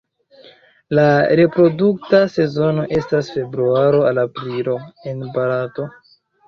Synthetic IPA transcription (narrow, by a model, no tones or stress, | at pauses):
laɾe̞pɾo̞duk̚tase̞zo̞no̞ʔe̞stasfe̞bɾuaɾo̞alapɾilo̞e̞nbaɾato̞